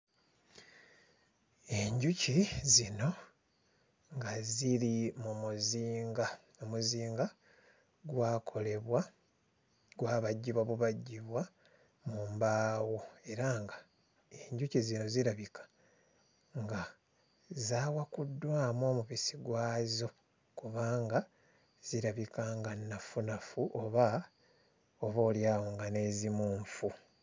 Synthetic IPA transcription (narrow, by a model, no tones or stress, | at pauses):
e̞ɲɟucizino̞ | ŋɡaziɾimumuziːŋɡa | omuziːŋɡa | ɡwaːkʰo̞le̞βwa | ɡwaːβaɟːiβwaβuβaɟːiβwa | muːmbaːwue̞ɾaŋɡa | e̞ɲɟucizino̞ziɾaβikḁ | ŋɡa | zaːwakudːwaːmo̞ːmuβisiɡwaːzo̞ | kuβaːŋɡa | z̥iɾaβikaŋɡanːafunafuʔoβa | oβoːljaːwoːŋɡane̞ːzimuːɱfu